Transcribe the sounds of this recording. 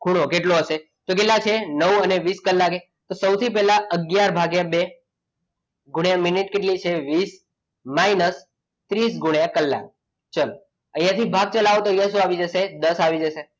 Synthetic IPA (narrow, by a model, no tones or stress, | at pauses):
ɡ̥ʱuɽ̃okeʈloəʃe | t̪ok̬elːat͡ʃʰenəwəneʋiskəlːake | t̪osəwt̪ʰip̬ɛɦlaəɡjaɾbʱaɡjabe | ɡʱuɳjamɪniʈkeʈlit͡ʃʰeʋis | mainəs | t̪ɾis̬ɡʱuɳjãkəlːa̰k̚ | t͡ʃəl | əjãt̪ʰibʱaɡ̚t͡ʃəlaʋot̪oəjãʃũaʋid͡ʒəsed̪əsaʋid͡ʒəse